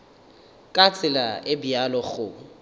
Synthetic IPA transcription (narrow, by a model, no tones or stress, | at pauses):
kʼat͡sʼɪlaɪbialɔɣʊ